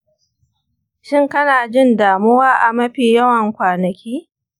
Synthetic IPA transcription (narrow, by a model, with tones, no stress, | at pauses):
ʃɪ˦ŋkɐ˦naː˨d͡ʒɪ˦ndaː˨mʊ˦waː˦ʔa˨mɐ˦ɸiː˨jɐ˦wɐ˨ŋkʷaː˨nɐ˨kʲʰiː˦